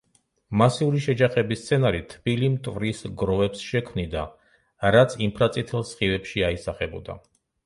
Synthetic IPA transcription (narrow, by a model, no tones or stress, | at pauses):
masiuɾiʃɛd͡ʒaχɛbist̪sʰɛnaɾit̪ʰb̥ilimt̪ʼvɾisɡɾɔvɛpsʃɛkʰmnid̪a | ɾat̪sʰimpʰɾat̪sʼit̪ʰɛlˠsχivɛpʃiaisaχɛbɔ̰d̪a̰